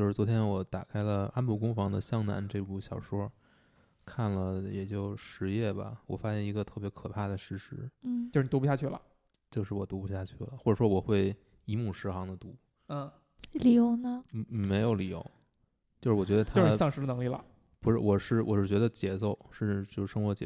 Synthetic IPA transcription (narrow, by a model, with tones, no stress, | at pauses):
jo˧ʂɻ̩˥˩t͡swɔ˧˥t̪ʰjɛ˥nwɔ˧˩˦t̪a̰˨˩kʰa˥ɪlə˧a˥npu˥˩kʊ˥ŋfɑ˧˥ŋd̪ə˧ɕjɑ˥ŋna̰˧˥nʈ͡ʂe˥˧ku˥˩ɕjɑ˨˩ʊʂwɔ˥ | kʰa˥˩nlə˩jɛ˨˩t͡ɕjo˥˩ʊʂɻ̩˧˥jɛ˥˩bɐ̰˩wɔ̰˨˩fa˥ɕjɛ˥˩ni˧˥ɡə˧t̪ʰɤ˥˩pjɛ˧˥kʰɤ˨˩pʰa˥˩d̪ə˩ʂɻ̩˧˥ʂɻ̩˧˥˩t͡ɕo˥˧ʂ̩˥˧˩t̪u˧˥pu˧˩ja˥˧t͡ɕʰy˥˩lə̰˩ | t͡ɕjo˥˧ʊʂ̬ɻ̩˥˩wɔ˨˩t̪u˧˥pu˧ɕja˥˧t͡ɕʰy˥˩lə̰˩xwɔ˥˩ʈ͡ʂɤ˨˩ʂwɔ˥wɔ˨˩xwe˥˩ɪ | i˧˥mu˥˩ʂɻ̩˧˥xɑ˧˥ŋd̪ə˨t̪u˧˥˩ | li˨˩jo˧˥ʊnə˧˥˧me˧˥ɪjo˧˥ʊli˨˩jo̰˧˥ʊ | t͡ɕjo˥˧ʂɻ̩˥˩wt͡ɕɥɛ˧˥d̪ə˧t̪ʰa˥˧ʂɻ̩˥˧jɑ˥˩ŋʂɻ̩˧˥ə˧nɤ˧˥ŋli˥˩lə̰˩ | pu˧˥ʂɻ̩̰˥˧˩wɔ˨˩ʂɻ̩˥˩wɔ̰˨˩ʂɻ̩˥˩t͡ɕɥɛ˧˥d̪ə˧t͡ɕjɛ˧˥t͡so˥˩ʊʂɻ̩˥˧t͡ɕjo˥˧ʊʂ̩˥˩ʂɤ˥ŋxwɔ˧˥t͡ɕjɛ̰˨˧